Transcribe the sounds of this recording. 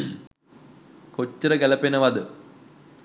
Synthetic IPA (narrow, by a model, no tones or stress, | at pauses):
kot͡ɕːəɾəɡælɐpenəʋɐd̪ə